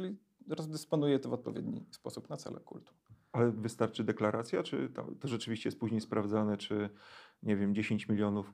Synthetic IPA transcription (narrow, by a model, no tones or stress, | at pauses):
ɘlʲi | ɾɔzd̪ɘspɔnujɛt̪ɔvɔt̪̚pɔvjḛd̪ɲḭspɔsupnat̪sɛ̰lɛ̰kṵlt̪u̥alɛvɘst̪aɾt͡ʂɘd̪ɛklaɾʔat̪sʲjat͡ʂɘ̰t̪a̰t̪ɔʐɛt͡ʂɘvʲiɕt͡ɕɛjɛspuʑɲejspɾavd̪zanɛt͡ʂɘɲɛvʲjɛmd͡ʑeɕeɲt͡ɕmʲilʲjɔnuf